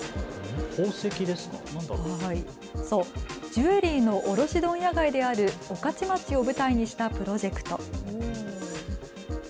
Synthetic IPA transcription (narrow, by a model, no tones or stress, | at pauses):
koːsekʲid̪e̞sɨ̥kɑ̰nãnd̪aai | so̞ːd͡ʑɨe̞ɾʲiːno̞ʔoɾo̞ɕid̪õ̞ɰ̃jaɡaid̪e̞aɾɯ̟okat͡ɕimat͡sio̞bɯ̟t̪aiɲ̟iɕi̥t̪apɯ̟ɾo̞ʑe̞kɯ̟̥t̪o̞